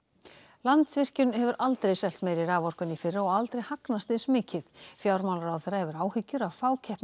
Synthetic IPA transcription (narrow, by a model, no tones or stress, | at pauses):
lant̪svɪr̥cʏnhɛvʏɾʔalt̪ɾejsɛl̥t̪mɛðɾɪɾaːvɔr̥kʏnːifɪrːaɔɣalt̪ɾejhaknast̪ɪðsmɪːcɪðfjawɾmawlaɾawθɛɾahɛvʏɾaːwhɪcːʏɾavfaːwcʰɛhpn